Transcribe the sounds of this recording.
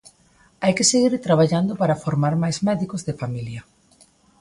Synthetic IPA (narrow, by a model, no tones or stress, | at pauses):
ajkeseɣiɾt̪ɾaβ̞aʎand̪opaɾafoɾmaɾmajzmɛðikozðefamiljɐ